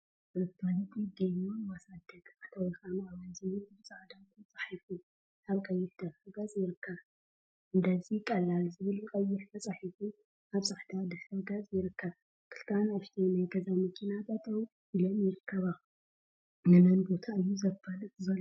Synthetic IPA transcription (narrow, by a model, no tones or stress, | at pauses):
ɨɨt̪alɐt̪ʰid̪ɐjmowasad̪ɐt̪ʼħt̪ʰawikamaβajzɨjuɨβt͡sʼaʕd̪akunt͡sʼaħifu | ʔaβkʼɐjːɪħd̪̥ɐfɨɡɐt͡sʼjɪɾɨkʰːɐβ | ʔɨnd̪azikʼɐlːalzɨβɨlkʼɐjːɪħt̪ʰɐt͡sʼaħifu | ʔaβsʼaħt̪ʰad̪ɨħɐɡɐzʼjɪɾɨkʰːɐβ | kʰɨ̥lt̪ʰanaft̪ʰinajɡɐzamɨkʰinat̪ʰat̪ʰow | ʔilomjɪɾɨkʰːɐβa | nɨnɐnbo̞t̪ʰaʔɨjːuzɐbɐlɨɨzɐlː